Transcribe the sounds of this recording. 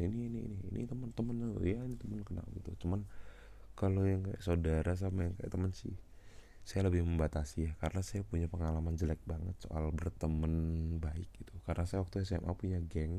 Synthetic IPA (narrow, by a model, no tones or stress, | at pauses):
iniːnḭːnḭːnḭt̪əmənt̪əmənjainit̪əmənkəna̰lɡit̪ut͡ʃuman | kalojaŋkaja̰ʔsodaɾas̬amajaŋkaja̰ʔt̪əmənsɪ̰h | sajaləbɪhməmbat̪asijakaɾənasajapuɲapəŋalamand͡ʒəlaɛk̚baŋət̪̚so̰ʔa̰lbərt̪əmənbaɪk̚ɡit̪ukaɾənasajawak̚t̪uas̬ɛmʔa̰puɲaɡɛŋ